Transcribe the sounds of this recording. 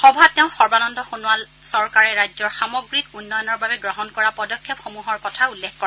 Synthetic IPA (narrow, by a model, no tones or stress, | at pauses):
xɔbʱatɛʊ̃xɔɹbanɔndɔxunuwal | sɔɹkaɹɛɹajzɔɹxamɔɡɹikunːɔjɔnɔɹbabɛɡɹɔɦɔnkɔɹapɔdɔkʰːɛpxomuɦɔɹkɔtʰaulːekʰkɔɹ